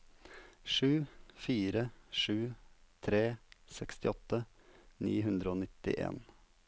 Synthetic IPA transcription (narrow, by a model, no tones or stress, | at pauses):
ʂʉːfiːɾəʂʉːt̪ʰɾeːsɛkst̪ɪɔt̪ə | nḭːɦʉnd̪ɾəoːnɪt̪ɪ̰ʔḛːn